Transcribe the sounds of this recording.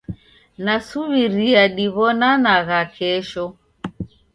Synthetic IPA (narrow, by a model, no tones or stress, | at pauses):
nasuβiɾiaɗiβɔnanaɣakɛʃɔ